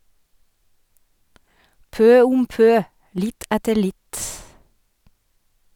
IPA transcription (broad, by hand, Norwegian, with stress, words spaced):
ˈpøː ˈʊm ˈpøː ˈlɪt ˈætəɾ ˈlɪt